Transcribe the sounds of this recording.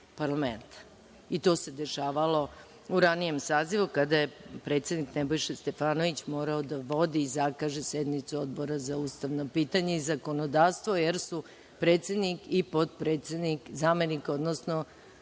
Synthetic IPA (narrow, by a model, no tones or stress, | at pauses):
paɾlament̪ḁ | it̪o̞ːse̞d̪e̞ʃaːʋalo̞ | uɾanije̞msaːziʋukad̪ajepɾe̞ːt̪sjed̪niknebo̞jʃest̪e̞faːno̞ʋit͡ɕmo̞ːɾaod̪aʋo̞d̪iːzakaːʒesjed̪nit̪suod̪bo̞ɾazaust̪aʋno̞piːt̪aɲeizako̞nod̪aːʋst̪ʋo̞jeɾsu | pɾe̞ːt̪sʲed̪nikipo̞t̪̚pɾeːt̪sʲed̪nikzaːme̞niko̞d̪nosno